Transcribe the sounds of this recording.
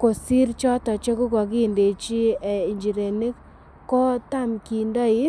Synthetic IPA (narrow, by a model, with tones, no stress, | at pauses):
ko˨si˦ɾt͡ʃɔ˦tɔ˨t͡ʃe˦ku˦kɔ˨ki˦nde˨t͡ʃi˦e˨i˨ɲd͡ʒi˨ɾe˨ni˦k | kːɔ˦ta˦mki˨ndɔ˦ɪ˦